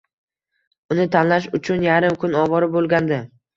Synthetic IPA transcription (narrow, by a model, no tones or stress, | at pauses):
ʊnɪt̪ʰanlaʃ̬ʊt͡ʃʰʊnjaɾɪmkʰʊnɒbɒɾɪbolˠɡʲand̪ɪ